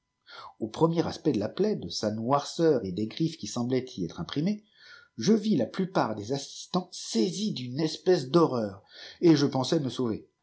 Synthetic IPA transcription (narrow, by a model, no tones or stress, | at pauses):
opχəmjɛʁaspɛd̪əlaplɛd̪əsanwaʁsœʁed̪eɡʁifkʲisɑ̃blɛt̪ʰiɛt̪χɛ̃pχime | ʒəvilaplypaʁd̪ezasi̥st̪ɑ̃sezid̪ynɛspɛsd̪ɔʁœːʁeʒəpɑ̃sɛməsove